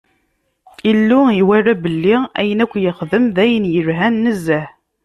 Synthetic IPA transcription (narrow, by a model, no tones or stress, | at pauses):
ilːʊiwærːæbəlːiæ̰jənækʷːjəχðəmðæjənjəɾɦænːəzːæh